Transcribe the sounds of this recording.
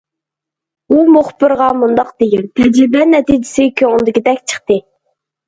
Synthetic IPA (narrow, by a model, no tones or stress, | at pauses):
umoχbɨɾʁɑmund̪ɑqd̪̥ejilt̪ʰɛd͡ʒɾɪbɛnɛt̪id͡ʒɪsɪkʲʰøŋʊnd̪ɪkʲid̪ɛkʲt͡ʃʰə̥χt̪ɨ